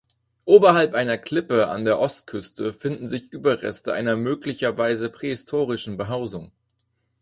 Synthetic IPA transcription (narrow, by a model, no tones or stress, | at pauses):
ʔoːbɐhalpʔaɪnɐkʰl̥ɪpəa̰ndeːɐʔɔst̚kʰʏstʰəfɪndn̩zɪçʔyːbɐʁɛ̰stəʔa̰ɪnɐmøːklɪçɐvaɪzəpʁ̥eːhɪstʰoːʁ̞ɪʃn̩bəɦaʊzʊŋ